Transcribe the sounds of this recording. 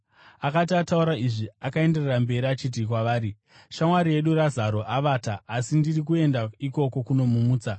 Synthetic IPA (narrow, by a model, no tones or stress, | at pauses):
akat̬iatauɾaiʐiakae̞nde̞rerambe̞ɾiat͡ʃit̬ikwaʋaːɾi | ʃamwaɾie̞ɗurazaɾo̞ʔaʋaːtaːsindirik̬ue̞ndaiko̞ko̞kuno̞mumuːt͡sa